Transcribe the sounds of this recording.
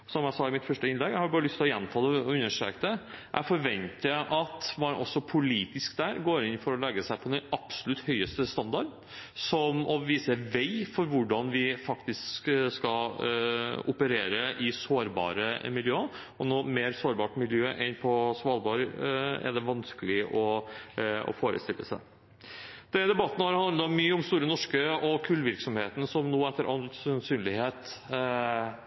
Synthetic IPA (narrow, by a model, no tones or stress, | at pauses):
sɔmjæɪsɑːɪmɪt̪fœʂʈəɪnlɛɡjæɪhɑɾbɑːɾəlʏst̪ɪlɔjɛnmt̪ʰɑːd̪ɛʉnːəʂø̰ːkəd̪ɛʔæ̰fɔɾʋɛnt̪əʔɑt̪mɑɾʔɔ̰sːɔpʰʊliːt̪ɪskd̪æɾɡoːɾɪnfɔɾɔlɛɡəsæɪpʰɔd̪ɛnɑpsʊ̥lʉt̪hœʏəst̪əst̪ɑnd̪ɑɖ | sɔmɔʋiːsəʋɛɪfɔɾʋʊɖɑnʋɪfɑkt̪ɪskskɑ | ʊpəɾeːɾəʔɪsoːɾbɑ̰ːɾəmɪljøː | ɔnoːmeːɾsoːɾbɑːʈmɪljøːʔɛnpʰɔsʋɑːlbɑːɾɛ̰ɖ̪ɛʋɑnskəlɪʔɔ | ɔ̰foːɾə̰st̪ɪlːə̰sæɪ | d̪̥ɛd̪ɛbɑt̪ːənəhɑɾhɑnd̪ɑmyːəʊmst̪uːɾənɔʂkəɔkʰʉlːʋɪɾksɔmheːt̪ənəsɔmnoːɛt̪ːəɾʔɑlsɛnsyːnlɪheːt̪